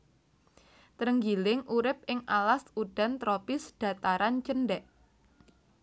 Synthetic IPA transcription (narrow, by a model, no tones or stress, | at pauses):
t̪ɾəŋɡilɪŋʔuɾɪp̚ɪŋalasuɖ̥a̤nt̪ɾopɪsɖ̥a̤t̪aɾant͡ʃənɖɛʔ